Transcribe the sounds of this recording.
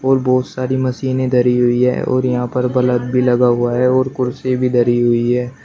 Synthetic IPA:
ɔːɾbɔːt̪saːɾimɐsiːnẽd̪ɐɾiɦʊiɦɛ̰ːɔ̰ːɾjɐɦãpɐɾbɐləd̪̚bʱilɐɡaɦʊaɦɛɔːɾkʊɾsebʱid̪ɐɾiɦʊiɦɛː

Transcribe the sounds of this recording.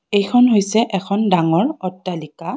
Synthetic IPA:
ejkʰɔnɦojsɛʔɛkʰɔndaŋɔɹɔtːalika

